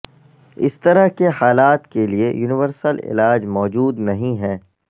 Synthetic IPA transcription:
ɪ̰st̪ɐɾəɦkehaːlaːt̪keliejuːnɪʋəɾsəlɪ̰laːd͡ʒmɔːd͡ʒuːd̪nɐɦĩɦɛː

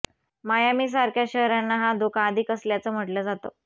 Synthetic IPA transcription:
majamiːs̬aɾkʰjaɕəɦɾanːaɦad̪okʰaːd̪ʱiːkəsljat͡səːm̤əʈləːd͡zat̪o̰

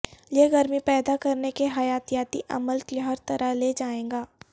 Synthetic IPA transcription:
jeɡɐɾmipɛːd̪akɐɾnekeɦɐjaːt̪ijaːt̪iʔɐ̰məlkiɦɐɾt̪ɐɾəleːd͡ʒaːẽːŋɡaː

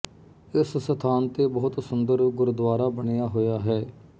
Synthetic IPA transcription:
ɪssət̪ʰaːnt̪eːbɔːt̪sʊnd̪əɾɡʊɾd̪ʋaːɾaːbəɽejaːɦoːjaːɦɛː

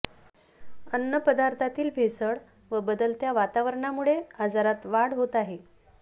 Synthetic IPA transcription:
ənːəpəd̪aɾt̪ʰat̪iːlbʱesəɭ | ʋəbəd̪əlt̪jaʋat̪aʋəɾɳamuɭead͡zaɾat̪ʋaɽɦot̪aɦe

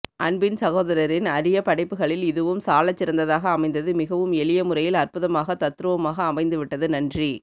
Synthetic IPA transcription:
ʔɐɳbɪnsɐɣoːðɐɾɐɾɪnɐɾɪjɐpɐɽɐɪpːɯɣɐɭɪlɪðɯʋɯmsaːlɐt͡ʃːɪɾɐnd̪ɐðaːɣɐːmɐɪnd̪ɐðɯmɪɣɐʋɯmɛɭɪjɐmʊɾɐjɪlɐrpɯðɐmaːɣɐt̪ɐt̪ːɯɾɯʋɐmaːɣɐːmɐɪnd̪ɯʋɪʈːɐðɯnɐndri

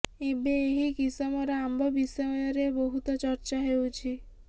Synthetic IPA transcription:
ebeːɦikisɔmɔɾɔambɔbisɔjɔjɔɾebɔɦut̪ɔt͡ʃɔɾt͡ʃaɦewt͡ʃʰi

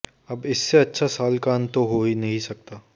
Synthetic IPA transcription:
ɐbɪsːeɐtːʃʰasaːlkaːnt̪oɦoːinɐɦĩsɐk̚t̪aː

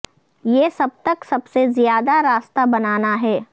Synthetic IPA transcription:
jeːsɐb̚t̪ɐksɐbsezjaːd̪aɾaːst̪abɐnaːnaɦɛː

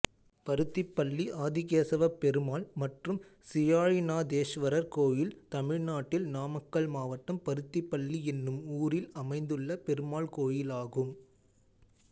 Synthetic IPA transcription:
pɐɾɯt̪ːɪpːɐɭːiʔaːðɪɣeːsɐʋɐpɛɾɯmaːlmɐʈrɯmsɪjaːɻɪnaːd̪eːʃʋɐɾɐɾkoːjɪlt̪ɐmɪɻnaːʈːɪlnaːmɐkːɐɭmaːʋɐʈːɐmpɐɾɯt̪ːɪpːɐɭːiɛnːɯmuːɾɪlɐmɐɪnd̪ɯɭːɐpɛɾɯmaːɭkoːjɪlaːɣɯm

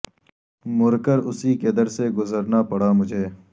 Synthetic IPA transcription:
mʊɾkəɾʊsiːked̪əɾseɡʊzəɾnaːpɐɽaːmʊd͡ʒʱeː

